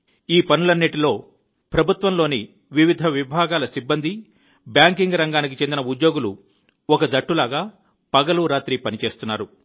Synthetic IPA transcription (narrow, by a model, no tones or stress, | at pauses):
iːpɐnulɐnːiʈilo̞ː | pɾɐbʱut̪ʋɐmlo̞ːni | ʋiʋid̪ʱɐʋibʱaːɡaːlɐsibːɐnd̪ʱi | bjaːŋkiŋɡɾɐŋɡaːnik̬it͡ʃend̪inɐud̪jo̞ːɡulu | ɔkɐd̪ɐʈːulaːɡaː | pɐɡɐluɾaːt̪ɾipɐnit͡ʃe̞ːst̪unːaːɾu